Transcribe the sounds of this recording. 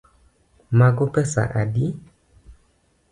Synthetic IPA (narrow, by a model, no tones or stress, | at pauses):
maɡopɛsa̰ʔadi